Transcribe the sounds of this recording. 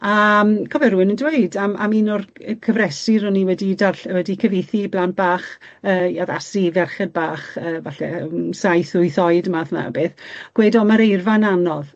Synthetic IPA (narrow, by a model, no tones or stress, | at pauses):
amkʰɔvɛrɾuɨnəndwejdamʔa̰minɔrkʰəvrɛsɪɾɔniwɛdidarɬɛwɛdikʰəveθiblant̚b̥aːχ | əːaða̰sivɛrχɛd̚baːχəːvaɬɛ̰sajθʊɨθɔɨdəmaθna̰beːθɡ̥weːdɔmaɾejrvananɔð